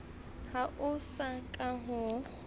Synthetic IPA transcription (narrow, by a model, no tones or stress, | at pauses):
haʔʊsakʼaɦʊ